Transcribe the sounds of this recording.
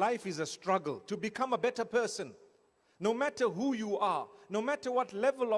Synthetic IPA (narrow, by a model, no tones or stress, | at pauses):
laɪfizəstɹaɡəlˠtʰubikʰãməbɛtəpʰɜsə̃nː | omætəɦujuanomætəwɔtlɛvəlɔ